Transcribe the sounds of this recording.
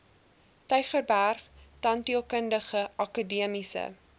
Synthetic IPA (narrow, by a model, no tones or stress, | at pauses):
tœɥχərbærχtɐntiəlˠkəndəχəʔɐkadiəmisə̰